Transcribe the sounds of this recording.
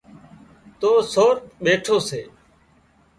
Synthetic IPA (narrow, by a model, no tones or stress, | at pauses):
t̪oːsoːɾɓeːʈʰoːseː